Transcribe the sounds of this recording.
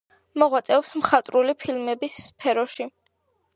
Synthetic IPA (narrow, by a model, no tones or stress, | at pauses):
mɔʁwat̪sʼɛɔpsmχat̪ʼɾulipʰilmɛbisːpʰɛɾɔʃi